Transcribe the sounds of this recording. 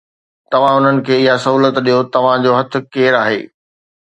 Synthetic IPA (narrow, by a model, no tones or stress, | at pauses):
t̪ɐʋ̤ãʊn̤ənɪ̆kʰeːɪɦasɐɦuːlət̪ɗijot̪ɐʋ̤ãd͡ʑoːɦɐt̪ʰɪ̆keːɾaːɦḛː